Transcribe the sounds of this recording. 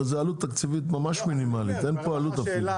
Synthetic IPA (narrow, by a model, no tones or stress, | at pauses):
zealut̪ːakt͡sivit̪̬mamaʃminimalit̪enpoalut̪afil